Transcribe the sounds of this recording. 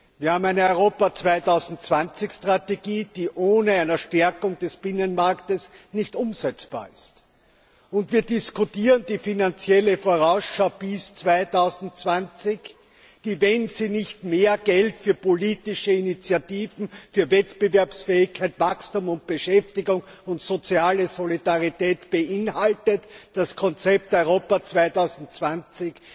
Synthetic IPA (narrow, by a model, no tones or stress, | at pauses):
viːɐhaːbm̩æɪnəɔʏʁoːpɐt͡sv̥aɪtaʊzn̩tt͡sv̥ant͡sɪçstʁ̥ateɡiːd̥iːʔoːnəæɪnɐʃtɛɐkʊŋd̥ɛsb̥ɪnənmaɐktəsnɪçtʊmzɛt͡sb̥a̰ːɐɪst | ʊntv̥iːɐdɪskʊtiːʁəndiːfinant͡sjɛləfoːɐʁaʊsʃaʊb̥ɪst͡sv̥aɪtaʊzn̩tt͡sv̥ant͡sɪç | d̥iːvɛnziːnɪçtmeːɐɡɛltfyːɐpoliːtɪʃəinit͡sjatiːvn̩fyːɐvɛtb̥əvɛɐpsfɛːɪçkʰæɪtvakstuːmʊnt̚b̥əʃɛftɪɡʊŋʊntsot͡siaːləzolidaʁitɛːtb̥əʔɪnhaltətd̥askʰɔnt͡sɛp̚tɔʏʁoːpɐt͡sv̥aɪtaʊzn̩tt͡sv̥ant͡sɪç